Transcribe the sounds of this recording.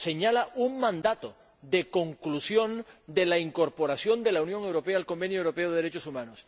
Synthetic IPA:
se̞ɲalaʔuŋmãnd̪at̪o | ðe̞ko̞ŋklusjõ̞nd̪e̞laiŋko̞ɾpo̞ɾasjo̞nd̪e̞launjõ̞ŋe̞wɾo̞peaːlko̞mbe̞njoewɾo̞peoðeðeɾet͡ʃosumãnos

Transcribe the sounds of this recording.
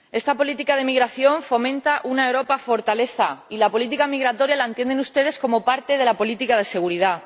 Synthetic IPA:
e̞st̪apo̞lit̪ikað̞e̞miɣɾaθjo̞ɱfo̞mẽ̞nt̪aʔunaewɾo̞pafo̞ɾt̪ale̞θa̰ilapo̞lit̪̬ikamiɣɾat̪o̞ɾjalaent̪jend̪enust̪e̞ð̞e̞sko̞mo̞paɾt̪e̞ðe̞lapo̞lit̪ikað̞e̞se̞ɣ̞uɾiða

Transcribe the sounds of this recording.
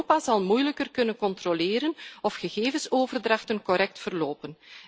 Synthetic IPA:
oːpaːzɑlˠmujləkərkɵnənkɔntroleːɾənɔfxəɣeːvənsoːvərdrɑxtənkɔɾɛk̚tfərloːpən

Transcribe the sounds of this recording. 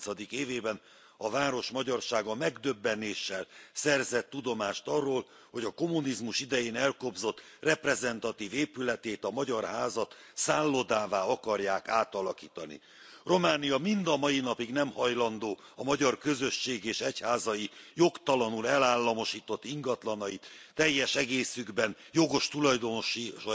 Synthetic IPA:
sɒd̪ikeːveːbɛn | ɒvaːɾo̞ʃmɒɟɒrʃaːɡɒmɛɡd̪øbːɛneːʃːɛlsɛrzɛt̪ːud̪o̞maːʃt̪ɒrːoːl | ho̞ɟɒko̞munizmuʃid̪ɛjeːnɛlko̞bzo̞t̪ːrɛprɛzɛnt̪ɒt̪iːveːpylɛt̪eːt̪ɒmɒɟɒrɦaːzɒt̪saːlːod̪aːvaːɒkɒrjaːkaːt̪ɒlɒkiːt̪ɒnḭ | ro̞maːnijɒmind̪ɒmɒjinɒpiɡnɛmhɒjlɒnd̪oː | ɒmɒɟɒrkø̞zø̞ʃːeːɡeːʃɛchaːzɒjijo̞kt̪ɒlɒnulɛlaːlːɒmo̞ʃiːt̪o̞t̪ːiŋɡɒt̪lɒnɒjit̪ːɛjːɛʃɛɡeːsyɡbɛn | jo̞ɡo̞ʃt̪ulɒjd̪o̞noʃi

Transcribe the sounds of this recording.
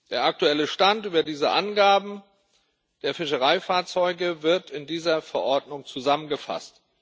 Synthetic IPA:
d̥eːɐʔak̚tuɛləʃtantʔyːbɐdiːzəʔanɡaːbm̩ | d̥eːɐfɪʃəʁ̞aɪfaːɐt͡sɔʏɡəvɪɐtɪndiːzɐfɛɐʔɔɐdnʊŋt͡suzamənɡəfa̰st

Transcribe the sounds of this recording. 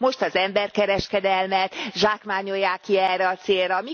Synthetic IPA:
mo̞ʃt̪ɒzɛmbɛrkɛɾɛʃkɛd̪ɛlmɛt̪ʒaːkmaːɲo̞jːaːkiɛrːɛɒt̪seːlrɛːmi

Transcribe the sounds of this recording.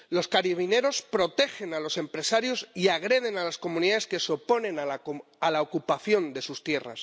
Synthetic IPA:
lo̞skaɾiβ̞ine̞ɾo̞spɾo̞t̪e̞xe̞nalo̞se̞mpɾe̞saɾjo̞siaɣ̞ɾe̞ð̞e̞nalasko̞muniðaðe̞ske̞so̞po̞nẽ̞na | alaokupaθjo̞nd̪e̞sust̪je̞ra̰s

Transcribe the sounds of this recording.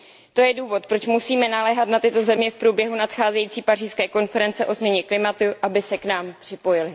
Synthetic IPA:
t̪o̞jɛduːvo̞t̪̚pɾo̞t͡ʃmusiːmɛnalɛɦat̪nat̪ɪt̪o̞zɛmɲɛfpɾubjɛɦunat̪xaːzɛjiːt͡siːpariːskɛːko̞nfɛɾɛnt͡sɛʔo̞zmɲɛɲɛklɪmat̪uʔabɪsɛknaːmpr̥ɪpo̞jɪlɪ

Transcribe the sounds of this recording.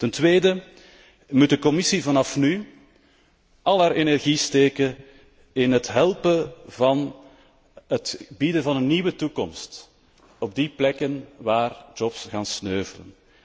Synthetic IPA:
təntweːdə | mut̚dəkɔmɪsivɑnɑfny | ʔɑlˠɦaːɾenɛrɣisteːkə | ɪnɦətɦɛlˠpəvɑn | ɦətbidəvɑnənːiwətukɔ̰mst | ɔb̚diplɛkənʋaːrd͡ʒɔpsɣaːnsnøːvələ̰n

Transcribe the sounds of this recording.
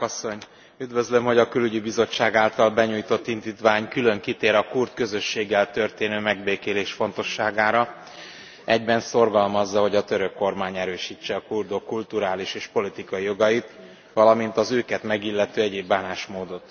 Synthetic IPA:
ɒsːo̞ɲ | yd̪vø̞zlø̞mho̞ɟɒkylyɟibizo̞t͡ʃːaːɡaːlt̪ɒlbɛɲuːjt̪o̞t̪ːind̪iːt̪ʋaːɲkylø̞ŋkit̪eːɾɒkurt̪kø̞zø̞ʃːeːɡːɛlt̪ø̞rt̪eːnøːmɛɡbeːkeːleːʃfo̞nt̪o̞ʃːaːɡaːɾɒ | ɛɟbɛnso̞rɡɒlmɒzːɒɦo̞ɟɒt̪øɾø̞kːo̞rmaːɲɛɾøːʃit͡ʃːɛɒkuld̪o̞kːult̪uɾaːliʃeːʃpo̞lit̪ikɒijo̞ɡɒjit̪ | ʋɒlɒmint̪ɒzøːkɛt̪mɛɡilːɛt̪øːɛɟeːbːaːnaːʃmoːd̪o̞t̪

